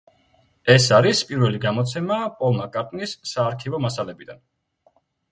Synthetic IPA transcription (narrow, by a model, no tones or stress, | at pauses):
ɛsaɾispʼiɾvɛliɡamɔt̪sʰɛmapʼɔlˠmakʼaɾt̪ʼnisːaːɾkʰivɔmasalɛbid̪an